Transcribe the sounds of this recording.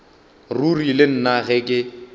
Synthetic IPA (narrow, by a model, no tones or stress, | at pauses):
rurilɪn̩naɣɛkʼɪ